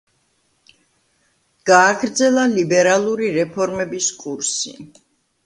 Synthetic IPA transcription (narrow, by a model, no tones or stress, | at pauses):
ɡ̥aːɡɾd̪zɛlˠalibɛɾalˠuɾiɾɛpʰɔɾmɛbiskʼuɾsḭ